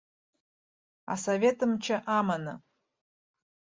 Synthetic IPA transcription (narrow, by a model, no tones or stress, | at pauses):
a̰savʲe̞tʰʼɨmt͡ʃʰaʔamanɨ